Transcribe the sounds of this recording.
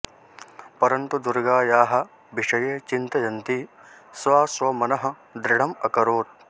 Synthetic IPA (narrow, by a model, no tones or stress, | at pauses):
pɐɾɐnt̪ud̪uɾɡaːjaːɦɐ̆ | biʂɐjeːt͡ʃint̪ɐjɐnt̪isʋaːsʋɐmɐnɐɦɐ̆ | d̪ɾɪɽ̤ɐmɐkɐɾoːt̪̚